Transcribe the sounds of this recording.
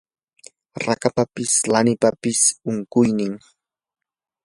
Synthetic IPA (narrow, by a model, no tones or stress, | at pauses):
ɾakapapɪslanɪpapɪsʊŋkʊjnɪŋ